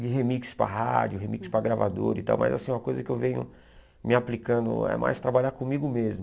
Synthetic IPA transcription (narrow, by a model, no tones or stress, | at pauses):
d͡ʒɪɦemikspɾɐ̰ɦad͡ʒʊɦemikspɾɐɡɾavad̪o̰ɾit̪a̰wmɐ̰za̰sĩmɐkojzɐkɪewvẽɲʊ̰ | mɪaplikɐ̃nd̪ʊ̰ɛ̰mʔa̰jst̪ɾabaʎaɾkõmiɡʊmezmʊ